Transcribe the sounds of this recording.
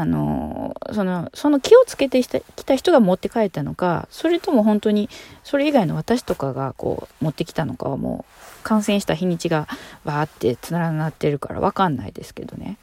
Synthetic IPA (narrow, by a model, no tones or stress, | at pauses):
ano̞̰so̞no̞so̞no̞kʲio̞t͡sɨ̥ke̞t̪e̞akʲi̥t̪açʲi̥t̪o̞ɡamo̞t̪ːe̞kae̞t̪ːano̞ka̰so̞ɾe̞t̪o̞mo̞ɦõ̞nt̪o̞ɲ̟iso̞ɾe̞iɡaino̞β̞at̪aɕi̥t̪o̞kaɡako̞̰ːmo̞t̪ːe̞kʲi̥t̪ano̞ka̰βamo̰ːkãɰ̃sẽ̞ɰ̃ɕi̥t̪açʲĩɲ̟ːit͡ɕiɡabaːt̪ːe̞t͡sɨnaɾanat̪ːe̞ɾɯ̟ka̰ɾa̰βa̰kãnːa̰ḭd̪e̞sɨ̥ke̞d̪o̞̰ne̞̰